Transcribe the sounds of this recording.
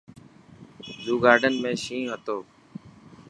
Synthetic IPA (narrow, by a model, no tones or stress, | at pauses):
ɗ̪uːɡaːɾɖənmẽːʃĩːɦət̪oː